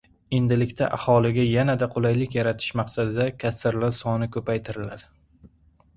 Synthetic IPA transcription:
e̞nd̪ɪlɪkʲt̪ʰaʔa̰hɒlˠɪɡʲajanad̪aqʰolˠajlɪkʲjaɾat̪ʰɪ̥ʃmaqsad̪ɪd̪akʲʰasːɪɾlaɾsɒnɪkʰɵpajt̪ʰɪɾɪlad̪ɪ

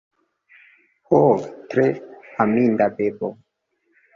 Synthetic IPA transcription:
hotɾeamindabebo

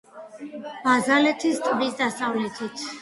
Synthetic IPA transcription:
m̥azalɛt̪ʰist̪ʼb̪isd̪asavlɛt̪ʰit̪ʰ

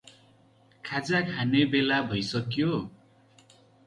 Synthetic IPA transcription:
kʰad͡zakʰanebelabʱʌjsʌkjo

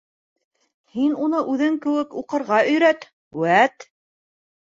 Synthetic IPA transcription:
hinunɤʔʉðɘŋkɘ̆wɘkuqɤ̆ɾʁɑɵ̆jɾæt̪ | wæt̪

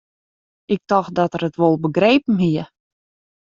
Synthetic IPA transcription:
ʔɪk̚tɔxdɔtərətʋolˠbəɡreːpəm̩ɦiə

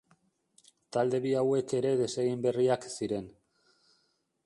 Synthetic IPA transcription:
t̪ald̪e̞βiawe̞ke̞ɾe̞ðe̞seɣimbe̞riaksiɾe̞n

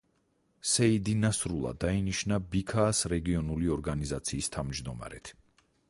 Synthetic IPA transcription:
sɛid̪inasɾulˠa̰d̪ainiʃnabikʰaːsɾɛɡiɔnuliɔɾɡanizat̪sʰiːst̪ʰavmd͡ʒd̪ɔma̰ɾɛt̪ʰ

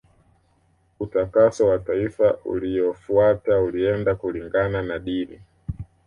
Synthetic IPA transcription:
utakasɔwataifaʔṵliɔfuatauliɛndakuliŋɡananaɗinḭ

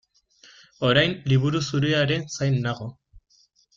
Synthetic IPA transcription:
o̞ɾajnliβuɾusuɾeaɾe̞nsajnːaɣo̞

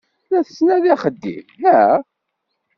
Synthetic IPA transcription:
læθəsnæðæχəd̪ːḭmhæ

